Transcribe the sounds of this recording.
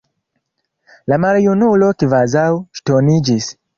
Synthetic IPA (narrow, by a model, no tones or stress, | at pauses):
lamaljunulokivazawʃtonid͡ʒis